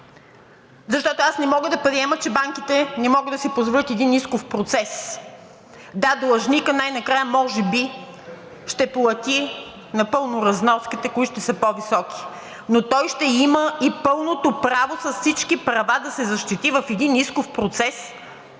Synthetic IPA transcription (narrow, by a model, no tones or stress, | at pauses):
zɐʃt̪ɔt̪oasnɛmɔɡəd̪ɐpɾiɛmət͡ʃɛbaŋk̟it̪ɛnɛmɔɡəd̪ɐsɛpozvolʲət̪ɛd̪iniskofpɾot̪sɛs | d̪ad̪lˠɐʒnikənajnɐkɾajəmɔʒɛbi | ʃt̪ɛplˠɐt̪i | nɐpɤlˠnoɾɐznɔskit̪ɛkʊiʃt̪ɛsəpovisɔk̟i̥ | not̪ɔjʃt̪ɛiməipɤlˠnot̪opɾavosɐssit͡ʃkipɾɐvad̪ɐsɛzɐʃt̪it̪ivɐfɛd̪iniskofpɾot̪sɛs